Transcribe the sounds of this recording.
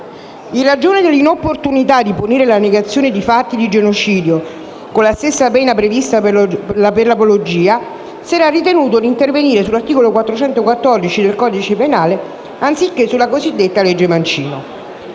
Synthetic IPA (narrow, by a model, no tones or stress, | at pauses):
irad͡ʒoːned̪elːinopːort̪unit̪ad̪ːiponiːɾelaneɡat̪sːjoːned̪ifat̪ːid̪id͡ʒenot͡ʃiːd̪jo | kolːast̪esːapɛːnapɾevist̪aaperlapolod͡ʒiːa | sɛɾarːit̪enuːt̪od̪int̪erveniːɾesulːart̪iːkolokwat̪ːɾot͡ʃɛnt̪okwat̪ːɔrd̪it͡ʃid̪elkɔːd̪it͡ʃepenaːle | ant̪sikːesːulakozid̪ːet̪ːaled͡ʒːemant͡ʃiːno